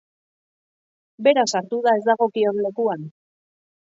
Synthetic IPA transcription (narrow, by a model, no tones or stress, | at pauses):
be̞ɾasaɾt̪uðae̞zd̪aɣo̞kio̞nle̞kuan